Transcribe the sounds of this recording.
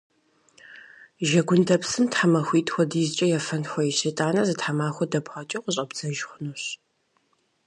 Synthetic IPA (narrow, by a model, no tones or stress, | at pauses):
ʒɐɡʷʊndʰɐpsɨmtħamɐxʷiːtʼxʷɔdiːzt͡ʃʼɐjɛfɐnxʷɔjɛʃejtʼaːnɐzɨtħamaːxʷɔdɐpχɐt͡ʃʼɪqəɕʼɐbzɐʒχʷʊnuɕ